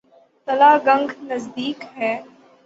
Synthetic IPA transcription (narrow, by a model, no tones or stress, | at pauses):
t̪ɐlaːɡɐ̃ŋɡnɐzd̪iːkɦɛː